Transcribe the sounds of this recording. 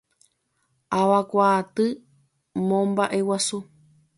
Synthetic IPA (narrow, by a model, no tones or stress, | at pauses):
aʋakʷaːt̪ɨ | mõmbaʔe̞wasu